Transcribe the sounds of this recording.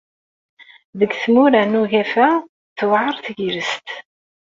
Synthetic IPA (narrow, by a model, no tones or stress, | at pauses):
ðəɡθmuɾænuʝæfæ | θwʕəɾˤθʝɾəst̪